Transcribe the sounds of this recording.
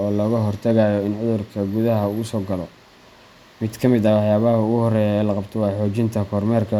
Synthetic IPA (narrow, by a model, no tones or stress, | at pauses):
ɔːlɔːɣɐɦɔrt̪ʰɐɣajɔɪnʕʊðʊrkʰɐɡʊðɐɦɐuːʊsɔːɡɐlɔ | mɪd̪kʰɐmɪd̪ɐwɑħjaːβɐɦhʊɣʊhɔrɛːjaɛlɐqɑbt̪ʰɔwɑːħɔːt͡ʃɪnt̪ʰɐkʰɔːrmɛːrkʰɐ